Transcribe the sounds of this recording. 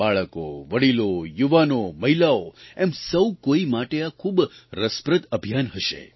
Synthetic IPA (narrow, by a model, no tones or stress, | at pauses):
baɭəko̰ʋəɽilojuʋanoməɦilaoemsəwkoimaʈeakʰubɾəspɾət̪əbʱijanɦəʃḛ